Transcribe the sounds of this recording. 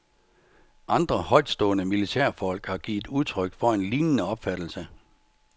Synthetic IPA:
ʔɑ̈nd̥ʁɐhɒ̽ɪ̰d̥sd̥ɔ̰̽ːnəmilit͡sʰæɐ̰fɒ̽l̰ɡ̥hɑ̈ɡ̥ḭːð̩ˠuðˠt͡sʰʁœɡ̥fɒ̽e̝nliːnənəɒ̽b̥fæd̥l̩sə

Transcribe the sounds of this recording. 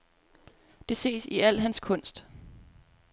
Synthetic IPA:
d̥e̝se̝̰ːsiæl̰ɦænskʰɔ̽n̰sd̥

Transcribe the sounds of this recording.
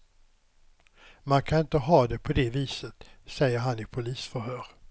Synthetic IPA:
mankʰanɪnt̪əɦɑːd̪ɛpʰɔd̪ɛviːsət̪sɛjːəɾɦanɪpʰʊliːsfœɾɦøːɾ

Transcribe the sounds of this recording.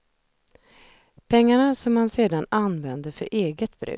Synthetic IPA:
pʰɛŋːaɳasɔmːanseːd̪ananvɛnd̪əɾfœɾʔeːɡət̪̚bɾʉ̰ː

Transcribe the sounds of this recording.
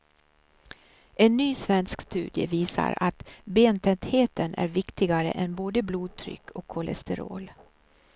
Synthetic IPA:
ɛnːyːsvɛnskst̪ʉ̟ːd̪jə̰viːsa̰ɾat̪beːnt̪ʰɛnt̪heːt̪ənæ̰ɾvɪkt̪ɪɡaɾə̰ʔɛnboːd̪əbluːd̪̚t̪ʰɾʏ̰kʰːɔkʰːɔlɛ̰st̪ɛɾo̰ːl

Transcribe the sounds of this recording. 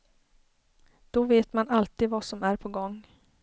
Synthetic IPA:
d̪̥ɔveːt̪manalt̪iːd̪vasɔmæɾpʰɔɡɔŋː

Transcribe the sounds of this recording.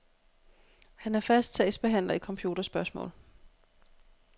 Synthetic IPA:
hænæɐfæsd̥sʰɛːsb̥e̝ɦæn̰lɐikʰɒ̽mpʰjuːd̥ɐsb̥ɶɐsmɔ̰̽ːl

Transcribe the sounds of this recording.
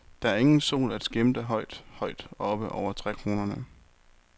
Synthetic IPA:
d̥ɑ̈æɐe̝ŋn̩so̝̰ːlæd̥sɡ̥emd̥əɦɒ̽ɪd̥hɒ̽ɪd̥ɒ̽b̥əʔɒʊ̰ɐt͡sʰʁɛkʰʁo̝ːnɐnə

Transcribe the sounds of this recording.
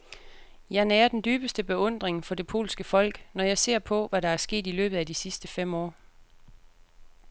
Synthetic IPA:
jɑ̈ɪnɛːɐd̥end̥yːb̥əsd̥əb̥e̝ɔ̽n̰d̥ʁeŋfɒ̽d̥e̝pʰo̝̰ːlsɡ̥əfɒ̽l̰ɡ̥nɒjɑ̈ɪse̝ɐ̰pʰɒ̽ʋæɾɑ̈æɐsɡ̥e̝̰ːd̥ilø̰ːb̥ð̩ˠæd̥isisd̥əfem̰ɒ̰ː

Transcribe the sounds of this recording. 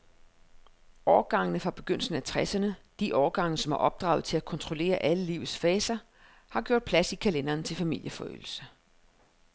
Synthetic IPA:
ɒːɡ̥ɑ̈ŋnəfʁɑ̈b̥e̝ɡ̥øn̰l̩sn̩æt͡sʰʁɛsɐnəd̥iʔɒːɡ̥ɑ̈ŋ̰nəsɒ̽mæɐʔɒ̽b̥̚d̥ʁɑ̰̈ʊð̞̩ˠt͡sʰe̝lækʰɒ̽nt͡sʰʁole̝̰ːɐʔæləliʊð̩ˠsfɛːsɐ | hɑ̈ɡ̥jo̝ɐ̰d̥̚pʰlæsikʰælenɐːnt͡sʰe̝lfæmil̰jəfɒø̰l̩sə

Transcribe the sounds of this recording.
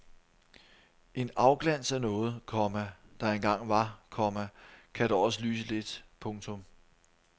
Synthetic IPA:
ʔe̝nɑ̈ʊɡ̥læn̰sænɔ̽ːð̞̩ˠkʰɒmæd̥ɑ̈e̝nɡ̥ɑ̈ŋ̰ʋɑ̈kʰɒmækʰæd̥ɑɒ̽s̬əlyːsəle̝d̥pʰɔ̽ŋt͡sʰɔ̽m

